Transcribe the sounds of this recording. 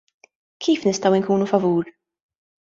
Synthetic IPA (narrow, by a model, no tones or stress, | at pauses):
kʰiːfnɪst̪ɐwɪŋkuːnufɐvuːɾ